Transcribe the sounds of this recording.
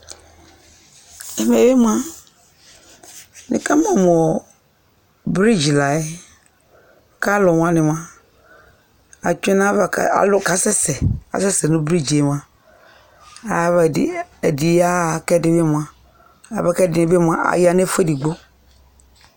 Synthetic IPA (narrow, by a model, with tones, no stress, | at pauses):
e˨me˨be˦mũ˦a˦ | nɪ̰˨ka˦m˦ɔ˨mɔ˨ | bɾi˦d͡ʒi˨la˨e˦ | ka˦lʊ˨m̃˨˦ã˦nɪ˨m˨˦ã˦ | a˨t͡ʃe˦nã˦˨a̰˨lʊ˦ka˨sɛ˦sɛ˨a̰˨sɛ˦sɛ˨nũ˦bɾi˦d͡ʒe˨m˨ã˨ | a˨e˨di˨ja˦˨kɛ˦dɪ˨be˦mũ˨a˨ | a̰˨bɛ˨˦kɛ˦dɪ˨nɪ̃˨be˦m˨a˦ʔa̰˨ja˨ne˦fe˦di˨ɡ͡bo˦